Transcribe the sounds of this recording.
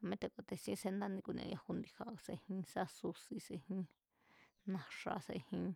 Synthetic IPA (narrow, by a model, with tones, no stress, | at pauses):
a˧mẽ˦t̪e˧˨kʷa˧t̪e˧sĩ˦˧se˧nd̪a˦nĩ˧ku˧nḛ̃˧ja˧hu˧nd̪i˧ha˧ʔse˧hĩ˧sa˦su˧si˧sẽ˧˨hĩ˦˧ | nã˧ʂa̰˧sḛ˧hĩ˧